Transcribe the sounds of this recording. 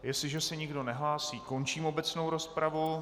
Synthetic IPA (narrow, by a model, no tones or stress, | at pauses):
jɛsɪʒɛsɛɲɪɡdo̞nɛɦlaːsiːko̞nt͡ʃiːmo̞bɛt͡sno̞wɾo̞spɾavu